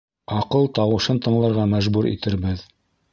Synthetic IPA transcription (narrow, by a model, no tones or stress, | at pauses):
ɑqɤlˠt̪ɑwɤ̆ʃɤnt̪ɤ̆ɴlˠɑɾʁɑmæʒbuɾʔḭt̪ɘ̆ɾbɘð